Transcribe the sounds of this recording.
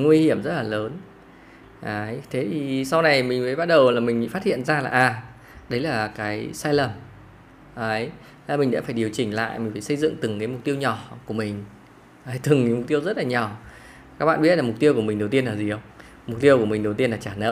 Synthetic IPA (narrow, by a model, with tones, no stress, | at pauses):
ŋwi˧hi˧˩əmzə˦˥t̚laː˨˩ləː˨˦n | ʔəː˨˦jt̪ʰe˨˦t̪ʰi˨˩sa˧wna˨˩jmï˨˩ŋ̟vəː˨˦ɓa˦˥t̚ɗə˨˩wlaː˨˩mï˨˩ŋ̟˧˨˩faː˦˥t̚hḭ˧˨ənzaː˧laː˨˩ʔaː˨˩ | ɗə˨˦jlaː˨˩kaː˨˦jsaː˧jlə˨˩m | ʔə˨˦j | laː˨˩mï˨˩ŋ̟ɗa̰ː˧˥faː˧˩jɗi˨˩əwt͡ɕï˨˩ŋ̟la̰ː˧˨jmi̟˨˩faː˧˩sə˧jzɨ̰˧˨ŋt̪ɨ˨˩ŋkaː˨˦mʊ˨˩t̪i˧əwɲɔ˨˩ku˧˩əmï˨˩ŋ̟ | ʔəː˨˦jt̪ɨ˨˩ŋkːm̚˨˩t̪i˧əwzə˦˥t̚laː˨˩ɲɔ˨˩ | kaː˦˥k̚ɓa̰ː˧˨ɓi˦˥t̚lːa˨˩ʊ˨˩t̪i˧əwku˧˩əmï˨˩ŋ̟ɗwt̪i˧ənlaː˨˩zi˨˩ə˧wŋ͡m | m˨˩k͡p̚t̪i˧əku˧˩əmï˨˩ŋ̟ɗə˨˩wt̪i˧ənlaː˨˩t͡ɕaː˧˩nə̰ː˧˥